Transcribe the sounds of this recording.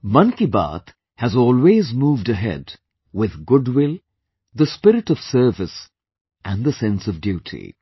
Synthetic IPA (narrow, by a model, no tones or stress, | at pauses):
mʌ̃nkiba̰t̪ | hɨzɔːlˠweːzmuːvdɨɦɛ̰d | wɪðɡʊdwɪlˠ | ðəspɪɾɨʈʌv̥sɜ˞vɨs | ʔæ̃nðəsɛ̃nsʌvdjuːtʰḭ